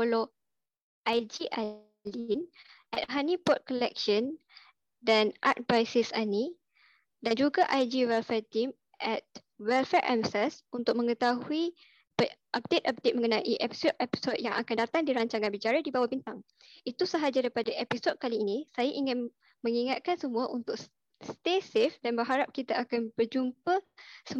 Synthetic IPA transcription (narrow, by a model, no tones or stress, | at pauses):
polɔ | ʔajd͡ʒiʔa | linʔɛt̪̚ɦanĩpɔt̪̚kɔlɛk̚ʃən | danʔa̰t̪̚bajsɪsani | dand͡ʒuɡaʔajd͡ʒiwɛlfɛrt̪im | ʔɛt̪̚ | wɛlfɛɹʔɛmsɛsunt̪ʊk̚mə̃ŋət̪aɦui | ʔap̚det̪̚ap̚det̪̚mə̃ŋənaʔiʔɛpi̥sod̚epi̥sɔd̚jaŋakandat̪aŋdiɾaɲt͡ʃaŋanbit͡ʃaɾadibawahbint̪aŋ | it̪usaɦad͡ʒadajpadaʔepisɔd̚kaliːnĩsajaʔiŋɪn | mə̃ŋiŋat̪̚kansəmũaʔunt̪ʊk̚s | st̪esefdanbərɦaɾap̚kit̪aakanbərd͡ʒumpəsə